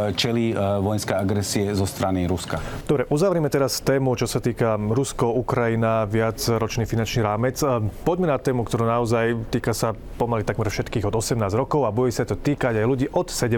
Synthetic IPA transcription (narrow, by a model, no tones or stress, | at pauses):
t͡ʃɛliːʋɔjnskɛjaɡɾɛsiɛzɔst̪ɾaniɾuskad̪ɔbɾɛʔuzaʋɾɛmɛt̪ɛɾast̪ɛːmut͡ʃɔsat̪iːkaɾuskɔukɾajinaʋɪad͡zɾɔt͡ʃniːfinant͡ʃniːɾaːmɛt͡spɔɟmɛnat̪ɛːmukt̪ɔɾuːnaɔzajt̪iːkasa | pɔmalit̪aɡmɛɾfʃɛt̪kiːɣɔd̪ɔsɛmnaːzɾɔkɔʊabuɟɛɛsat̪ɔt̪iːkaɟajluɟiːʔɔt̪sɛɟɛ